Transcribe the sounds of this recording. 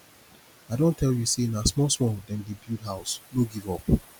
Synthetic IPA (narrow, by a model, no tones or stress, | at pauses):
aɪdõntʰɛljusenasmɔswɔ̃ŋdɛ̃ndibildɦaʊsnoɡivɔp